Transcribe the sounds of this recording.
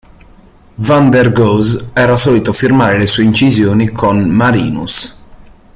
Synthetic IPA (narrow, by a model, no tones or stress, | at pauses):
vand̪ɛrɡozɛːɾasɔːlit̪ofirmaːɾelesuːeint͡ʃizjoːnikʰonmaɾḭːnṵs